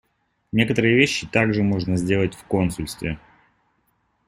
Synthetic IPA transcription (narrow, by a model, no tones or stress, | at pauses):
nʲe̞kət̪əɾɨjəvʲeɕːɪt̪aɡʐɨmo̞ʐnəzʲdʲe̞lˠətʲfko̞nsʊlʲst̪vʲɪ